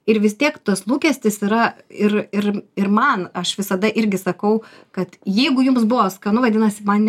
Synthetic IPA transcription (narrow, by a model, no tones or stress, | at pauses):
ɪɾʋʲɪst̪ʲiɛkt̪oslˠuːkʲɛsʲt̪ʲɪsiɾɐɪɾɪɾɪrmɐnɐʃʋʲɪsɐd̪ɐʔɪɾʲɡʲɪsɐkɐʊ | kɐt̪jɛɪɡʊjʊmsbʊʋoːsɐkɐnʊʋɐd̪ʲɪnɐsʲɪmɐnnʲ